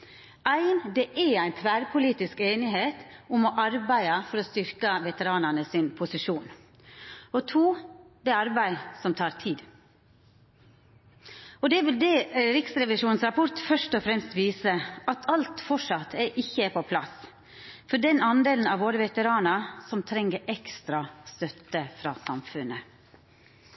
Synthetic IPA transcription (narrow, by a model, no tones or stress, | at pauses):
æɪnd̪ɛʔɛɾæɪt̪ʰʋæːɾpʰʊliːt̪ɪskeːnɪɦeːt̪ʊmɔʔɑɾbæɪəfɔɾɔst̪ʏɾkəʋɛt̪əɾɑːnənəsɪːnpʰʊsɪʂuːn | ɔt̪ʰuːd̪ɛɾɑɾbæɪsɔmt̪ʰɑːɾt̪ʰiːd̪ | ɔd̪ɛʋɪld̪ɛːɾɪksɾɛʋɪʂuːnsɾɑpʰɔɾt̪fœʂtɔfɾɛmst̪ʋiːsəʔɑt̪ʰɑlt̪fɔʂɑt̪ʰːɛʔɪçːəpʰɔpʰlɑs | fɔɖɛnɑnd̪eːln̩ɑːʋoːɾəʋɛt̪əɾɑːnɑɾsɔmt̪ʰɾɛŋːəɾɛkst̪ɾɑst̪œt̪ːəfɾɑ̰ːsɑmfʉnə